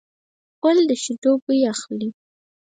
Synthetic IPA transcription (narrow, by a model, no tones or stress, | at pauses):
kʊld̪əʃɪʈopəjaxli